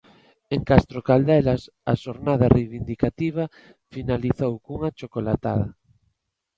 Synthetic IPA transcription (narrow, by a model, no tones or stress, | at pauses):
eŋkast̪ɾokald̪ɛlas | aʃoɾnaðarejβind̪ikat̪iβ̞ɐ | finaliθowkuŋat͡ʃokolat̪a̰ðɐ